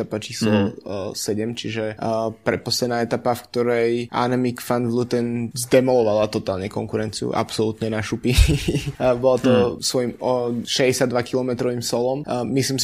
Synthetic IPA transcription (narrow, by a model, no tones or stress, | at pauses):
apat͡ʃiːslɔsɛɟɛmt͡ʃiʒɛpɾɛ̰pɔslɛd̪naːɛt̪apafkt̪ɔɾɛjʔa̰nɛmikfand̪lut̪ɛnzd̪ɛmɔlɔʋalat̪ɔt̪aːlɲɛkɔŋkuɾɛnt͡siṵʔa̰psɔlut̪ɲɛnaʃupi | bɔlat̪ɔsʋɔjimɔʃɛɟɛsad̪ʋakilɔmɛt̪ɾɔʋimsɔlɔmmisliːm